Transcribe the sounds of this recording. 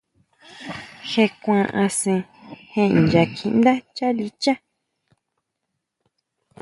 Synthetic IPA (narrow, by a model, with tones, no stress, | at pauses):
xe˧kʷã˧ʔã˧sĩ˧hẽ˧˨nd͡ʒa˧kʰĩ˧nd̪a˦t͡ʃa˦li˦t͡ʃa˦